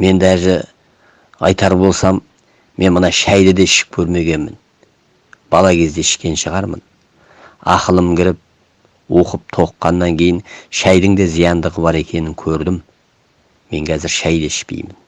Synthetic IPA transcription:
me̞nd̪æʒɪ | ɑjt̪ɑɾbo̞lˠsɑmː | e̞nmənɑʃæjd̪ɪd̪e̞ɪʃɪ̥k̚kʲʰɵɾme̞ɡʲe̞nmɪ̰n | b̥ɑlˠɑkʲʰe̞zd̪e̞ɪʃkʲe̞nʃəʁɑɾmə̰n | ɑ̰qəlˠəmɡʲɪɾɪp̚ | wo̞qəp̚t̪ʰo̞qːɑnːɑŋkʲʰe̞jɪnʃæjd̪ɪŋd̪e̞zijɑnd̪əʁəbɑɾe̞kʲʰe̞nɪŋkʲʰɵɾd̪ɪmː | e̞ŋkʲʰæzɪɾʃæjd̪e̞ɪʃpḛjmɪn

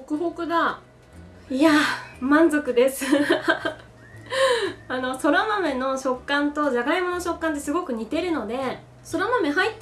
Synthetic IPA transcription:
okɯ̟ɦo̞kɯ̟d̪a | iamãnzo̞kɯ̟d̪e̞sɨ | ano̞so̞ɾaname̞no̞ɕo̞kːãnt̪o̞ʑaɡaimo̞noɕo̞kːãnt̪esɨɡo̞kɯ̟ɲ̟it̪e̞ɾɯ̟no̞d̪e̞ | so̞ɾamame̞ɦait̪ː

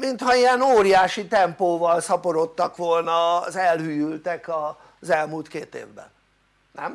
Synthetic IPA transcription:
mint̪hɒijɛnoːɾijaːʃit̪ɛmpoːvɒlsɒpoɾo̞t̪ːɒkʋo̞lnɒzɛlhyːjylt̪ɛkɒ | zɛlmuːlt̪keːt̪eːvbɛ̰nː | ɛm

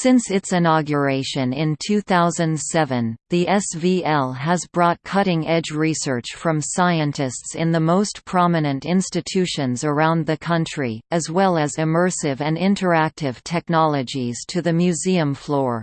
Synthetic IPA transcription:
sɪ̃nsɨtsɨnɑɡjə˞eɪʃɨ̃nɪ̃ntʰʉθaʊzɨ̃ndsɛvɨ̃nðiʔɛsviɛlˠəzbɹɔt̚kʰʌɾɪ̃ŋɛd͡ʒɹisɜ˞t͡ʃfɹʌ̃msaɪɨ̃ntɨstsɨ̃nðəmoʊspʰɹ̥ɑmɨnɨ̃ntɪ̃nstɨtʰʉʃɨ̃nzə˞ãʊ̃nðɨkʰʌ̃nt͡ʃɹ̥iɨzwɛlˠɨzɨmɜ˞sɪvɨ̃nɪ̃ntʰə˞æk̚tɪv̥tʰɛk̚nɑlˠɨd͡ʒiz̥tʰɨðɨmjʉziɨ̃ɱflɔɹ

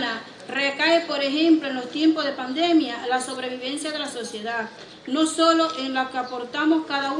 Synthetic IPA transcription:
na | rekaepo̞ɾe̞xẽ̞mploenlo̞st̪je̞mpo̞ɦð̞e̞pand̪e̞mjalaso̞β̞ɾe̞β̞iβe̞nsjað̞elaso̞sje̞ða | no̞so̞lo̞ʔeŋlakeapo̞ɾt̪amo̞skaðau

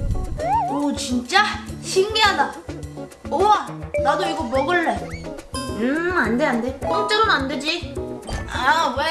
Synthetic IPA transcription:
ot͡ɕint͡ɕ͈aɕʰiŋmiɦada | owanad̪oiɡomʌɡɯɭːe | ɯand̪eandekoŋt͡ɕ͈ʌɾonand̪ɯd͡ʑi | awe

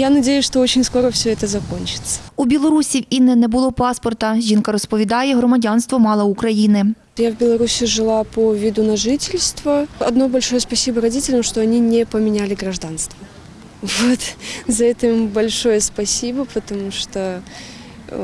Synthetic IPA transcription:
janɐdʲejʊsʲʂt̪oot͡ɕɪnʲsko̞ɾəfsʲoɛt̪əzɐko̞nʲt͡ɕɪ̥t̪sə̥ubʲɪlˠɐɾusʲiwinɛnɛbʊlˠɔpɑspɔrt̪ɐʒʲinkɐɾɔspɔʋʲid̪ɑjɛɦrɔmɐdʲanst̪ʋɔmɑlˠɐʊkɾɐjinɪ | javʲbʲɪlˠɐɾusʲɪʐɨlˠapovʲɪd̪ʊnɐʐɨtʲɪlʲst̪vəɐ̰d̪nobɐlʲʂojəspɐsʲibəɾɐdʲitʲɪlʲɐmʂt̪oɐnʲinʲɪpəmʲɪnʲælʲɪɡɾɐʐd̪anst̪vɐ | vot̪zɐɛt̪ʲɪmbɐlʲʂojəspɐsʲibəpət̪ɐmuʂt̪o

